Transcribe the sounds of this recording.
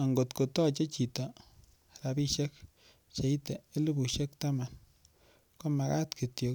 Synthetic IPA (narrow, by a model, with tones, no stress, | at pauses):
a˨ŋɡo˨tko˨tɔ˦˨t͡ʃe˦t͡ʃi˨ta˨ | ɾa˨bi˦ʃe˦k̚ | t͡ʃe˨˦i˦te˨e˦lu˦bu˨ʃe˦k̚ta˦ma˨n | ko˦ma˨ka̰˦tki˨tjo˨k